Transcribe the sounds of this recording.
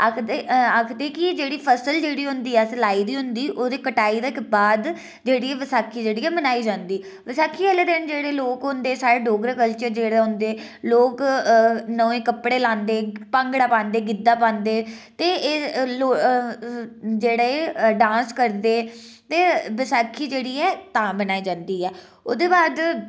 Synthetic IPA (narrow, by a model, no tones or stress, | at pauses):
k̪ʰːakʰd̪eːkɪd͡ʒeːɽiːpʰəsəld͡ʒeːɽiːɦʊ̃nd̪iːɛːslaːiːd̪iːɦʊnd̪iːʔoːd̪eːkəʈaːiːd̪əkbaːd̪ | d͡ʒeːɽiːɛːʋəsaːkʰːiːd͡ʒeːɽiːɛːmənaːiːd͡ʒãːnd̪iː | ʋəsaːkʰːiːɛleːd̪ɪnd͡ʒeːɽeːloːkɦʊ̃nd̪eːsaːɾeːɖoːɡɾəkəlt͡ʃəɾd͡ʒeːɽeːɦʊ̃nd̪eːloːk | nəːʋẽːkəpɽeːlãːnd̪eːpãːŋɡɽaːpãːnd̪eːɡɪd̪ːaːpãːnd̪eːt̪eːloː | d͡ʒeːɽaːeɖãːnskəɾd̪eː | t̪eːʋəsaːkʰːiːd͡ʒeːɽiːɛːt̪ãːmənaːiːd͡ʒãːnd̪iːɛː | oːd̪eːbaːd̪